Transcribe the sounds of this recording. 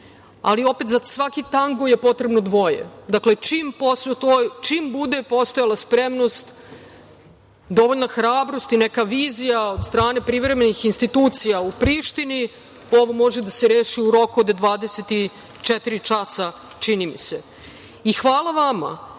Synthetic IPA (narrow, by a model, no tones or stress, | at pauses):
a̰lio̞pe̞t̪zasʋakit̪aŋɡoje̞po̞t̪ɾe̞bnod̪ʋo̞jḛd̪akle̞t͡ʃimpost̪ojt͡ʃimbud̪epo̞st̪ojalˠaspɾemno̞st̪ | d̪o̞ʋoʎnaxɾaːbɾo̞st̪inekaʋiːzijaod̪st̪ɾaːne̞pɾiʋɾe̞me̞nixinst̪it̪uːt̪sijaupɾiːʃt̪ini | o̞ʋo̞mo̞ʒed̪aseɾeːʃiuɾo̞kuod̪d̪ʋaːd̪eset̪i | t͡ʃet̪iɾit͡ʂasat͡ʃinimḭse | ixʋaːlˠaʋama̰